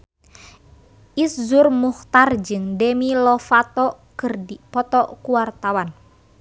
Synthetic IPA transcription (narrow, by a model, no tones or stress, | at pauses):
ʔiszurmuht̪ard͡ʒɨŋdɛmilɔfat̪ɔkɨrdipɔt̪ɔkuwart̪awan